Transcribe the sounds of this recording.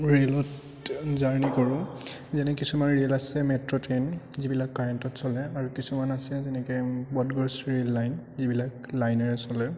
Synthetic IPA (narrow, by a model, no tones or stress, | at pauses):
ɹelɔt | zaɹnikɔɹʊ̃ | zɛnɛkisumanɹelasɛmɛtɹɔtɹenzibilakːaɹɛntɔtsɔlɛaɹukisumanasɛzɛnɛkɛbɔdɡɔsɹelːajnzibilak | lajnaɹɛsɔlɛ